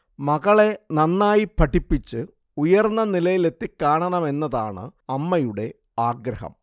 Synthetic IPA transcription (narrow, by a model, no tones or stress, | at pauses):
mɐɣɐɭe̞nɐnːaːjipʰɐʈʰːipːit͡ɕːɨ | ujɐrnːɐnilɐjile̞t̪ːikːaːɳɐɳɐme̞nːɐðaːɳɨ̰ɐmːɐjuɽe̞ | aːɡɾɐhɐ̰m